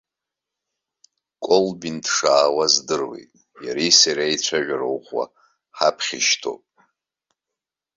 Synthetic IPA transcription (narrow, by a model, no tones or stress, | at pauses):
kʼolbintʰʂaːwazdɨrwḛtʼ | jaɾisaɾajt͡ɕʷʰaʒᶣaɾowχwa̰ | ħapʰχʲiʃtʰo̰pʼ